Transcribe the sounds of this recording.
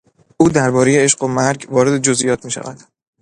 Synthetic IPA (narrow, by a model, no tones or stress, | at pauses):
ʔuːd̪æɾbɒːɾe̞je̞eʃɢo̞mæɾɟvɒːɾed̪e̞d͡ʒozʔḭjɒːt̪̚ʰmiːʃæ̰væ̰d̪̥